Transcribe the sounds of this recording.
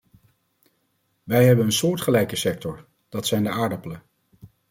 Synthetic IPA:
ʋɛjɦɛbənənsʊːɹtχəlɛjkəsɛk̚tɔɹ | d̥ɑtsɛjndəʔaːɹdəpələ

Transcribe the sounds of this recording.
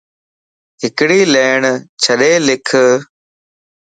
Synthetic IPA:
ɦɪkɽiːleːɳt͡ʃʰəɗeːlɪkʰ

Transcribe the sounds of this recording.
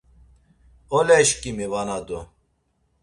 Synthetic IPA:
ɔlɛʃkʼimivanad̪u

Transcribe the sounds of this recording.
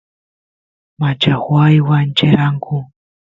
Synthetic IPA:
mad͡ʒaxwajwant͡ʃeɾaŋɡu

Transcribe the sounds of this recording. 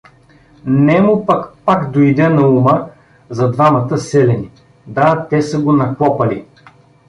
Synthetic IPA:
nɛmupɐkpakd̪ojd̪ɛnɐumə | zɐd̪vamɐt̪əsɛlɛni | d̪at̪ɛsəɡonɐklˠɔpɐli

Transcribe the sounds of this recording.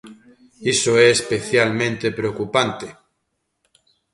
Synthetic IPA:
isoeːspeθjalmẽnt̪epɾeokupant̪e

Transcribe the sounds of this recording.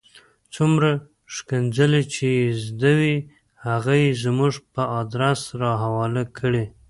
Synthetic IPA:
t͡sumɾa | ʃkand͡zəlet͡ʃezd̪awi | haɣajezmuʐpəɑd̪ɾasɾɑɦawɑlakʰəɽe

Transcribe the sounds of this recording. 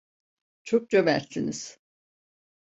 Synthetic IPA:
t͡ʃʰok̚t͡ʃavæɾsiniz̥

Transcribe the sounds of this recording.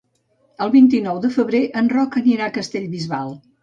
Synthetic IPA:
əlˠβint̪̬inɔwðəfəβɾeʔənrɔkəniɾakəst̪eʎβizβalˠ

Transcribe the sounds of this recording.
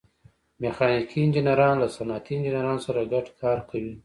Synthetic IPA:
mexɑnikʰiɪnd͡ʒɪnaɾɑnlasanɑt̪ʰiɪnd͡ʒɪnaɾɑnosaɾaɡaʈkʰɑːɾkʰawi

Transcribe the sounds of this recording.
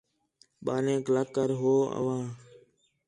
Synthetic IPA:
ɓaːlẽːklaːkːəɾɦoːə̰ʋãː

